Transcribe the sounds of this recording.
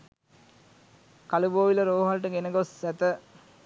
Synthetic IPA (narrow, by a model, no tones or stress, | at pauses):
kaluboːʋilɐɾoːɦɐlʈəɡenəɡosɛt̪ə